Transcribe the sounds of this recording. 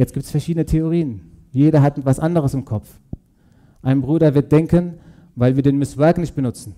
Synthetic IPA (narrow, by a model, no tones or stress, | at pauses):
jɛt͡stɡ̥iːp̚tsfɛɐʃiːdənətʰeoʁiːənjeːɾɐɦatɛtv̥asʔandəʁ̞əsɪmkʰɔf | ʔaɪnbʁuːdɐvɪɐt̚d̥ɛŋkən | vaɪlviːɐdeːnmɪsvɛɐknɪçt̚b̥ənʊt͡sn̩